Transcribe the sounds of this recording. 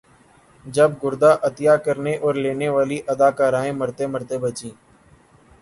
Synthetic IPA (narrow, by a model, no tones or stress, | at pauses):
d͡ʒəb̚ɡʊɾd̪aːʔət̪ɪjaːkəɾneːʔɔːɾleːneːʋaːliːʔəd̪aːkaːɾãːẽːməɾt̪eːməɾt̪eːbət͡ʃĩː